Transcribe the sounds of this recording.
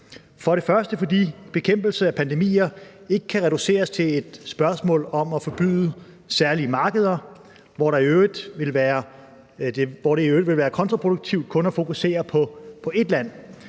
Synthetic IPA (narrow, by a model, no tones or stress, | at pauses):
fɒ̽ɾ̥e̝fɶɐsd̥əfɒ̽d̥ḭːb̥e̝kʰem̰b̥l̩səæpʰænd̥e̝mḭːɐ | e̝ɡ̥ə̥kʰæʁɛɾ̥use̝̰ːɐst͡sʰe̝ed̥sb̥ɶɐsmɔ̰ːlɒ̽mɒfɒ̽b̥y̰ːðˠə | sæɐliəmɑ̈ːɡ̥əð̞ˠɐ | ʋɒɾɑ̈iød̥ʋe̝lʋæːɐ | d̥eʋɒɾe̝iø̥ːʋe̝lʋæːɐkʰɒ̽nt͡sʰʁɑpʰʁo̝ɾ̥uɡ̥̚t͡sʰiʊd̥kʰɔ̽nɒfo̝kuse̝̰ːɐpʰɒ̽pʰɒ̽e̝d̥læn̰